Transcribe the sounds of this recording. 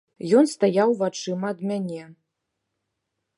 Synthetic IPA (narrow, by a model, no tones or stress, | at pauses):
jɔnst̪ajawvat͡ʂɨmɐːd̪mʲanʲɛ